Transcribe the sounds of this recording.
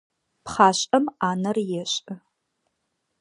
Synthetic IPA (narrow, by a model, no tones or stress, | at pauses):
pχaːʃʼɐmaːnɐrjɛɕʼɨ